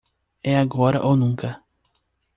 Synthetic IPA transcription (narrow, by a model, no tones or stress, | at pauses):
ɛaɡɔɾɐ̰ʔownũŋkɐ